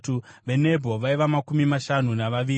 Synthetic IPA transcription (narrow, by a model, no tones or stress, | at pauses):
tuʋe̞ne̞bʱo̞ʋaiʋamakumimaʃanunaʋaʋiː